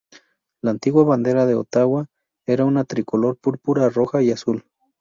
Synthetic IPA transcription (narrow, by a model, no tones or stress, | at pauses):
laːnt̪iɣwaβand̪e̞ɾaðeo̰t̪awa | e̞ɾaunat̪ɾikolo̞ɾpuɾpuɾaroxaiasul